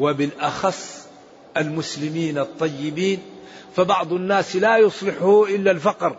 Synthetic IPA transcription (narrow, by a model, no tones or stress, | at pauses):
wɪbɪlʔɑxɑsˤː | almʊslɪmiːnɑt̪ˤːɑjːɪbiːn | fabɑʕd̪ˤnːaːslaːjʊsˤlɪħhuʔɪlːalfɑqɾ